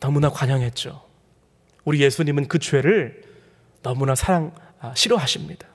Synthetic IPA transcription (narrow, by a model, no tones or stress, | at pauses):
nʌmunakwaɲʌŋɦe̞t̚t͡ɕ͈o | uɾije̞sʰuɲimɯnkɯt͡ɕwe̞ɾɯɭ | nʌmunasʰaɾaŋ | ɕʰiɾoɦaɕʰimɲid̥ḁ